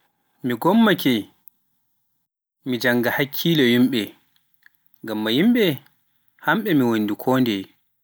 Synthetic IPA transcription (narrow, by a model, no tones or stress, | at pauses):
miɡɔmːakɛ | mid͡ʒaŋɡahakʰːilɛjimɓɛ | ŋɡamːajimɓɛ | hamɓɛmiwonːdikʰɔːndɛ